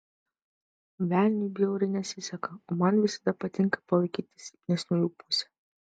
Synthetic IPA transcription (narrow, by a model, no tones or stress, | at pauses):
ʋʲæˑlʲnʲubʲijɛʊɾʲɐɪnʲɛsʲɪsʲɛkɐoːmɐnʋʲɪsɐ̥d̪ɐpɐt̪ʲɪŋkɐ̥pɐlˠɐɪkʲiːt̪ʲɪ̥sʲnʲɛsʲnʲʊlʲuːpʊsʲɛ̥